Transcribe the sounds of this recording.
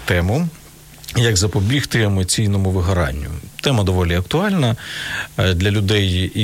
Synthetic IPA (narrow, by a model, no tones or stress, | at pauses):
t̪ɛmʊ | jɐɡzɐpɔbʲixt̪ɪemɔt͡sʲijnɔmʊʋɪɦɐɾɑ̰nʲːʊ̰t̪ɛmɐd̪ɔʋɔlʲiɐkt̪ʊɑlʲnɐ | d̪lʲɐlʲʊd̪ɛj